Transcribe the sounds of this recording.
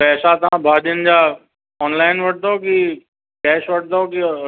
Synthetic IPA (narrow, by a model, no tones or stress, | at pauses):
pɛːsat̪ɐãbʱaːʄənd͡ʑa | ɔːnlaːɪnʋɐʈ̚d̪aoki | kɛːʃʋɐʈ̚ʰd̪aoki